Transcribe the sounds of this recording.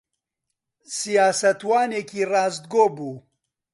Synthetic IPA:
sijaːsɐt̪waːneːkʰiːrɑːzd̪ɡoːbuː

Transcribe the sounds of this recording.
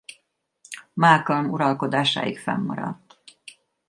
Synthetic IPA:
maːlkɒlmuɾɒlko̞d̪aːʃa̰ːjikfɛ̰mːɒɾɒt̪ː

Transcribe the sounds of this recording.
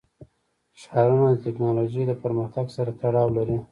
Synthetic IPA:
ʃɑɾunad̪ət̪ɪknɑloʒed̪əpəɾməxt̪aɡsaɾat̪aɽɑwlaɾi

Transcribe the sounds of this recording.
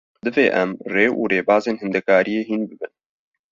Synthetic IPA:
d̪ɨveːʔɛmreːʔṵːreːbɑːzeːnhɨnd̪ɛkaːɾijeːɦiːnbɨbɨn

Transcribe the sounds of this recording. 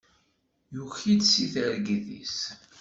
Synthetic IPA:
juçid̪siθəɾɡðḭs

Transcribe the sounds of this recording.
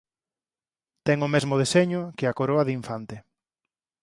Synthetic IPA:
t̪ɛŋʊmezmʊð̞eseɲʊkɪakoɾoɐðiɱfant̪ɪ

